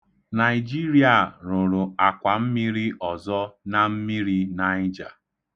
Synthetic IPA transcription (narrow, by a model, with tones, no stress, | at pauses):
na˨ɪ˨d͡ʒi˦ɾi˨a˨ɾʊ˨ɾʊ˨a˨kʷa˨m̩˦mi˦ɾi˦ʔɔ˨zɔ˦na˦m̩˦mi˦ɾi˦na˦ɪ˦d͡ʒa̰˨